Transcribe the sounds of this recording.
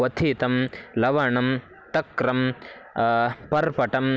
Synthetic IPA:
ɐt̪ʰiːt̪ɐmlɐʋaːɳɐm | t̪ɐkɾɐm | pɐɾpɐʈɐm

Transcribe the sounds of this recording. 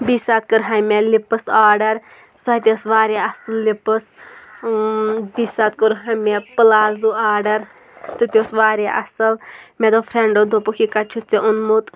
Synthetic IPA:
bisaːt̪̚kɨɾɦɐmelipːɨsaːɾɖɐɾ | sɔt̪ʲosʋaːɾʲaɐsɨllipːɨs | biːsaːt̪̚kəɾɦɐmepɨlaːzuaːɾɖɐɾ | st̪it̪ʲjosʋaːɾaʔɐ̰sɐlmed̪opʰɾeɳɖod̪opukʰikɐt͡ʃʰut͡seʔunmut̪

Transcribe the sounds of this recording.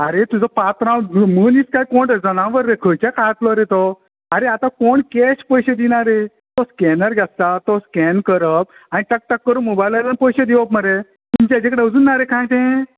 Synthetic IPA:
aɾet̪ud͡zɔpat̪ɾãmənit͡skajkoɳʈd͡zənãʋəɾːekʰəjt͡ɕakat̪lɔɾet̪ɔ | aɾeat̪ãkoɳkɛɕpəjɕed̪inaɾe | t̪ɔskɛnəɾɡʱast̪at̪oskɛnkəɾəp̚aniʈək̚ʈakːəɾumobajləɾanpəjɕed̪iʋəpməɾe | t̪umt͡ɕad͡ʑekəɽeud͡zunːaɾekʰãjt̪ẽ

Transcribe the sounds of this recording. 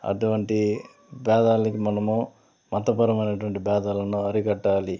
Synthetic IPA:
ɐ̰ʈuʋɐɳʈi | bɛːd̪aːlɐkimɐnɐmu | mɐt̪ːɐpɐɾɐmɐjnɐʈuʋɐɳʈibɛːd̪aːlɐnuɐɾikɐʈːaːli

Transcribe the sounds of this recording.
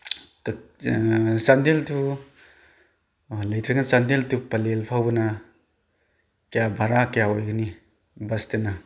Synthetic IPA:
t | sandeltʰu | lɐjt̪ʰɾeŋansandeltupɐlelpʰawbɐna | kejabʱaɾakejaojɡɯni | bɐstena

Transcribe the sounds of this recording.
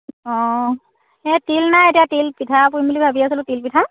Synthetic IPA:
ɔ | ɛtilnajetijatilpitʰapubulibʱabiasilʊtilpitʰa

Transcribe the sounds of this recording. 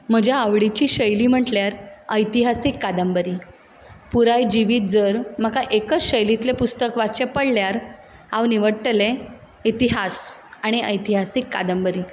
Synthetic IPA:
m̤əd͡ʑʱjaːʋɽit͡ɕiːɕəjliːm̤əʈljaɾəjt̪iɦasikːad̪əmbəɾi | puɾajd͡ʑiʋiːt̪̚d͡zəɾm̤əkaʔekət͡sɕəjlit̪lepust̪əkʋat͡ɕepəɽljaɾ | hãwniʋəɽʈəle | it̪iɦasaɽ̃iəjt̪iɦasikːa̰d̪əmbəɾiː

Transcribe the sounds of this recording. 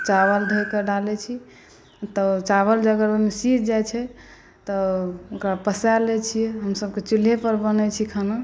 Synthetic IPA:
t͡ʃaβəld̪ʱojkeɖalɛt͡ʃʰi | t̪ɔt͡ʃaβəld͡ʒəɡəɾmesiɾd͡ʒajt͡ʃʰɛ | t̪ɔokɾapəsalet͡ʃʰijɛɦəmsəb̚ket͡ʃilepəɾbənɛt͡ʃʰikʰəno

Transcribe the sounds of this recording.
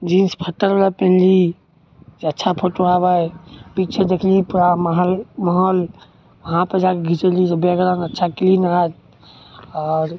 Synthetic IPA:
d͡ʒinspʰəʈːəɾbelapẽnli | d͡ʒeətːʃʰapʰəʈuabajpit͡ʃʰed̪ekʰlipɾamaɦlməɦɔl | ʋəɦãpəd͡ʒakeɡʱit͡ʃəlit̪ɔbeɡɾənətːʃʰaklinad͡ʒ̪ | ɔɾ

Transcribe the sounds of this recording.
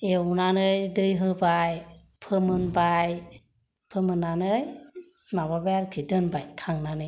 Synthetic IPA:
ewnanɯjdɯjɦɯbajpʰɯmɯnbaj | pʰɯmɯnːanɯjmababɛɾkʰidɯnbajkʰaŋnanɯ

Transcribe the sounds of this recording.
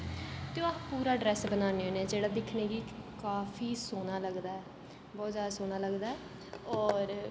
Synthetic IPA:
t̪eõapuːɾaːɖɾɛːsbənaːneːɦoːneɛːd͡ʒeːɽaːd̪ɪkʰneːɡiːkaːfʰiːsoːnaːləɡd̪aːɛː | bɔːt̪zaːd̪aːsoːnaːləɡd̪aːɛː | ɔːɾ

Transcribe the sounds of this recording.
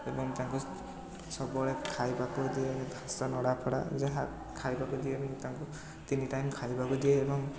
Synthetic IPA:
ebɔŋt̪aŋku | sɔbɔɭekʰajbakud̪iebʱasanɔɽapʰɔɽa̰zeɦa | kʰajbakudieebɔŋt̪aŋku | t̪iniʈajmkʰajbakudieebɔŋ

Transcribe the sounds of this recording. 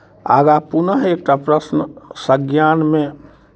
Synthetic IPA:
a̰ːɡapunəɦeːk̚ʈapɾəsnsəɡjaːnmẽ

